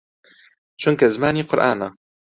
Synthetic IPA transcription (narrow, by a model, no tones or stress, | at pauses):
t͡ʃʊŋkazmaːniːqʊɾʔa̰ːnaː